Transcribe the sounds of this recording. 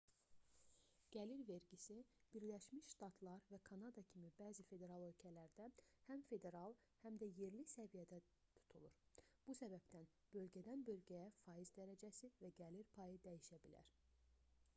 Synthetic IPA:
ɡ̥æliɾve̞ɾɟisib̥iɾlæʃmiʃʃt̪ɑt̪ʰlˠɑɾvækʰɑnɑd̪ɑcʰimibæːzife̞d̪e̞ɾɑlˠø̞lcʰælæɾd̪æhæmfe̞d̪e̞ɾɑlˠ | hæmd̪æje̞ɾlisævijæd̪æ | t̪ʰu̥t̪ʰulˠuɾb̥usæbæbt̪æn | b̥ø̞lɟæd̪ænbø̞lɟæjæfɑːjizd̪æɾæd͡ʒæsivæɡæliɾpʰɑjɯd̪æjiʃæbilæ̰ɾ

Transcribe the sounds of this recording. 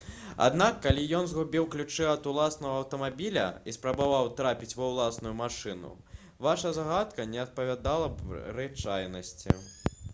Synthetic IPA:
a̰d̪n̪akːalʲijɔnzɣubʲiwklʲut͡ʂɛɐt̪ulˠasnɐɣɐːwt̪ɐmabʲilʲɐ̰ispɾɐbavawt̪ɾapʲit͡sʲvɐwlˠasnujumaʂɨnṵ | vaʂɐzaɣat̪kɐnʲɛɐt̪̚pɐvʲad̪alˠɐbɾɨt͡ʂajnɐsʲt͡sʲḭ

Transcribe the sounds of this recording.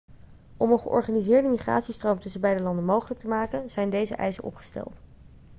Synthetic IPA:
ɔmənχə̰ʔɔ̰ɹχaːnizɪːɹdəmiχra̰ːtsistrowmtɵsəbɛjdəlɑndəmowχələk̚təmaːkənzɛjndejzə̰ʔɛ̰jsəɔ̰pχə̥stɛ̰lˠt

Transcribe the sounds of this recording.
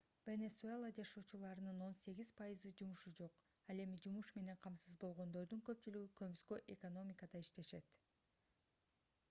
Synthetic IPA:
vʲenesuelˠad͡ʒɑʃoːt͡ʃulˠɑɾɯnɯno̞nse̞ɡʲizpʰɑjizɯd͡ʒumuʃud͡ʒo̞q | ɑlˠe̞mid͡ʒumuʃme̞ne̞ɴqʰɑmsɯzbo̞lˠʁo̞nd̪o̞ɾd̪uŋkø̞p̚t͡ʃylyɡykømskøʔekono̞mʲikad̪ɑiʃt̪e̞ʃe̞t̪

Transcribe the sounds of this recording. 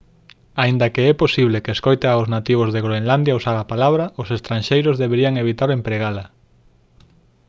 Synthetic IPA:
aind̪ɐkeɛposiβlekeːskojt̪aaʊznat̪iβ̞ozðeɣɾoenland̪jausaβapalaβɾɐosest̪ɾanʃejɾʊzðeβeɾiaŋeβit̪aɾempɾeɣalɐ

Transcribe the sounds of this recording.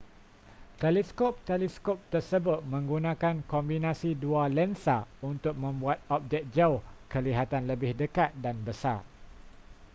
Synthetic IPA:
t̪ɛlɛskop̚t̪ɛlɛskop̚t̪ərsəbʊt̪̚mə̃ŋɡunãkankɔmbinãsidualɛnsaunt̪ʊk̚mə̃mbuat̪̚ɔp̚d͡ʒɛk̚d͡ʒaʊhkəliɦat̪anləbɪhdəkat̪̚danbəsa̰r

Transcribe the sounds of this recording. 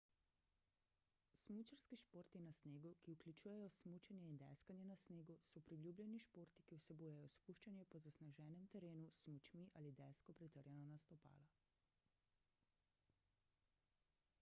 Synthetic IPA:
smut͡ʃaɾskiʃpoːɾt̪inasneːɡukiuklʲut͡ʃuːjɛjɔsmut͡ʃɛnjɛind̪ɛ̰skanjɛnasneːɡusɔpɾilʲjuːblʲjɛniʃpoːɾt̪ikiwsɛbujɛjɔspuːʃt͡ʃanjɛpɔzasnaʒɛːnɛmt̪ɛɾeːnusmut͡ʃmiʔaːlid̪ɛskɔpɾit̪əɾjɛnɔnast̪ɔpa̰ːla

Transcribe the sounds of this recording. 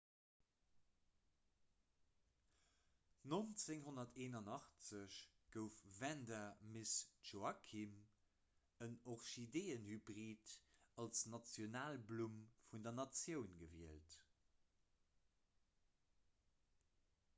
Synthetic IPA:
nont͡seŋɦonɐtʰeːnɑnɑχt͡səɕɡ̥əʊfvændɐmesʒoɑkʰim | ənoχʃideːənhybʁiːtɑlsnɑt͡sjonaːlblumfundɐnɑt͡sjəʊnɡəviəlt

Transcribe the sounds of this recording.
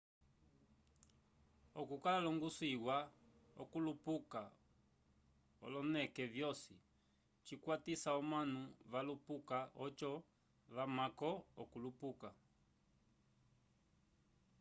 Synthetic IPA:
ɔkukalalɔŋɡusiwaɔ̰kulupuka | ɔ̰lɔnɛkɛvjɔsi | t͡ʃikwatisaɔmanuβalupukaɔt͡ʃɔ | βamakɔɔkulupuka

